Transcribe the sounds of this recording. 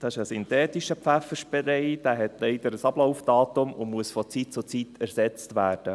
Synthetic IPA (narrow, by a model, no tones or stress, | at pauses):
d̥̪ɑːɪʃəsynt̪ɛːt̪iʃəpfæfəʃb̥ɛɾɛɪd̥æːɦɛt̪lɛɪdəɾəsɑblowfd̥ɑːt̪ʊmʊmuəsfɔt͡sit̚t͡sʊt͡sit̪ʰæɾsɛt͡st̪ʋæːɾd̥ə